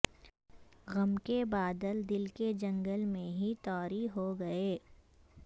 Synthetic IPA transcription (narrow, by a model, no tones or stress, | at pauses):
ɣɐmkebaːd̪əld̪ɪlked͡ʒɐ̃ŋɡəlmẽɦit̪ɔːɾiɦoɡɐeː